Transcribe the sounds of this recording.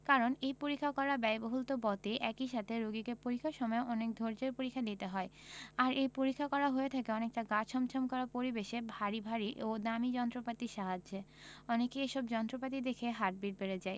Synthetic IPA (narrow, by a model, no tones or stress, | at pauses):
kaɾonejpoɾikʰːakɔɾabɛjboɦult̪obɔt̪eʔɛkiʃat̪ʰeɾoɡikepoɾikʰːaʃɔmɔeʔɔnek̚d̪ʱoɾd͡ʑeɾpoɾikʰːad̪it̪eɦɔeaɾʔejpoɾikʰːakɔɾaɦoet̪ʰakeɔnek̚ʈaɡat͡ɕʰɔmt͡ɕʰɔmkɔɾapoɾibeʃebʱaɾibʱaɾiʔod̪amid͡ʑɔnt̪ɾopat̪iʃaɦad͡ʑe | ɔnekeeʃɔbd͡ʑɔnt̪ɾopat̪id̪ekʰeɦaʈ̚biɾbeɾed͡ʑae